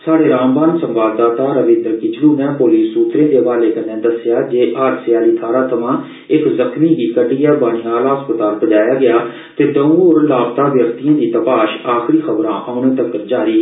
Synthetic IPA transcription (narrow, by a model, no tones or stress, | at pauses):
saːɽeːɾaːmbaːnsə̃mʋaːd̪d̪aːt̪aːɾəʋɪ̃ːnd̪əɾkɪt͡ʃluːnɛ̃ːpoːliːsːuːt̪ɾẽːd̪eːʋaːleːkənːẽːd̪əsɪjaːd͡ʒeːʔaːɾsjaːliːt̪ʰaːɾaːt̪ʰəʋãː | ɪkzəkʰmiːɡiːkəɖiːaːbaːniːaːlaːɦəspət̪aːlbəd͡ʒaːjaːɡɪjaː | t̪eːd̪əːoːɾlaːbt̪aːʋjəkt̪ijãːd̪iːt̪əpaːʃaːxɾiːxʰəbɾã̰ːʔaːʊɳ̃eːt̪əkːd͡ʒaːɾiː